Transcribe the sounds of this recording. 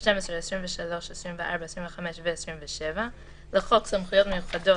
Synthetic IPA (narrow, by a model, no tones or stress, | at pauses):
ʃtemesʁeːsʁimveʃalo̞ʃesʁimveʔaʁbaesʁiɱveχameʃveːsʁimveʃeva | leχo̞ksamχujo̞tmejuχado̞